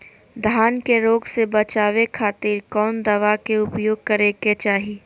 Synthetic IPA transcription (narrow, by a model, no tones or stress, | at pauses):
d̪ʱaːnkeɾoːɡsebɐt͡ʃaːʋekʰaːt̪iːɾkɔːnd̪ɐʋakeʊpjoːɡ̚kɐɾeket͡ʃaːɦi